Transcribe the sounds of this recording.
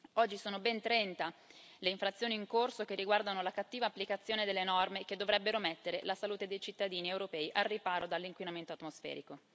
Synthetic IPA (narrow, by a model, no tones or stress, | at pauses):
ɔd͡ʒːisoːnobɛnt̪ɾɛnt̪a | leiɱfɾat̪sːjoːniːŋkorsok̟erːiɡward̪anolakat̪ːiːvaːpːlikat̪sːjoːned̪elːenɔrmek̟ed̪ːovɾɛbːeɾomɛt̪ːeɾelasaluːt̪ed̪ejt͡ʃit̪ːad̪iːniewɾopɛːiʔarːipaːɾod̪alːiŋkwinament̪oat̪mosfɛ̰ːɾiko